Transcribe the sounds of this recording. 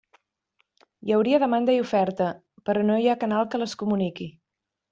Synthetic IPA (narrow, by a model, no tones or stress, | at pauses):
jəwɾiəðəmand̪əiufɛɾt̪ə | pəɾɔnojakənalˠkələskumuniki